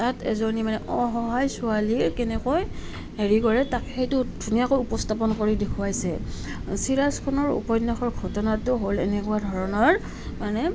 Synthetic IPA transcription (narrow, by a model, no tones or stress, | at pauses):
tatɛ̰zonimanɛʔɔɦɔɦajsʊaliɹkɛnɛkɔj | heɹikɔɹɛtakɛxejtʊdʱunijakojupɔstapɔnkoɹidekʰuajsɛ̰ | siɹaskʰɔnɔɹṵpɔjnːaxɔɹɡʱɔtɔnatʊɦolɛ̰nɛkuadʱɔɹɔnɔɹ | manɛ